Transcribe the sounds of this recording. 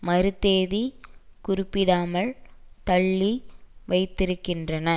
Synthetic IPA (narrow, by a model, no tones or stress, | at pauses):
mɐɾɯt̪ːeːðikʊɾʊpːɪɽaːmɐɭt̪ɐɭːiʋɐɪt̪ːɪɾɯkːɪndrɐnɐ